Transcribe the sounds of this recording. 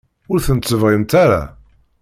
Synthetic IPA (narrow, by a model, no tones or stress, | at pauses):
ʊɾθənt͡sːəvʁint̪aɾa̰